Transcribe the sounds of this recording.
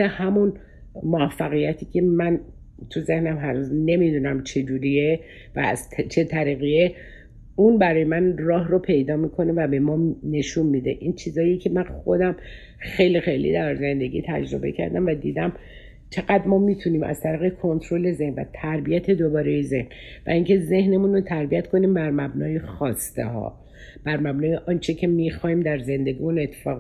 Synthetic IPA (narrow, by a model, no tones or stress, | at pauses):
ehæmun | moæfːæɣijæt̪ʰiːcʲʰe̞mæn | t̪ʰuze̞hnæmɦænuzne̞mid̪uːnæmt͡ʃʰe̞d͡ʒuːɾie | væ̰ːz̥t̪t͡ʃʰe̞t̪ʰæɾiɣie | unbæɾɒːjemænrɒːɦropʰe̞jd̪ɒːmiːkʰo̞ne̞væbe̞mɒne̞ʃunmid̪e̞ʔiːnt͡ʃʰizɒːjiecʰe̞mænxo̞d̪æm | xe̞jlixe̞jlḭd̪æɾze̞nd̪e̞ɡʲḭt̪ʰæ̰d͡ʒɾo̞be̞̰cʰæ̰ɾd̪æmvæd̪iːd̪æm | t͡ʃʰe̞ɣæd̪mɒːmiːt̪ʰuniːmʔæ̰zt̪ʰæɾiːɣekʰo̞nt̪ʰɾo̞le̞ze̞hnvæ̰t̪ʰæɾbijæt̪ʰe̞d̪obɒːɾejeze̞̰hn | væ̰iŋcʰe̞ze̞hne̞munot̪ʰæɾbijæt̪kʰo̞niːmbæɾmæbnɒːjexɒːst̪ḛhɒ̰ː | b̥æɾmæbnɒːjeʔɒnt͡ʃʰecʰe̞miːxɒːhiːmd̪æɾze̞nd̪e̞ɡiːmune̞t̪ʰːe̥fɒːɣ